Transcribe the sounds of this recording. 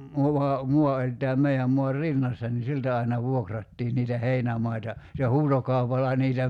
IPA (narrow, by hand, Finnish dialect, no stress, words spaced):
muʋɑ muɑ olʲ tæːm meiæm muɑr rinːɑsːɑ ni siltæ ɑinɑ ʋuokrɑtːiːn niːtæ heinæmɑitɑ se huːtokɑupɑlːɑ niːtæ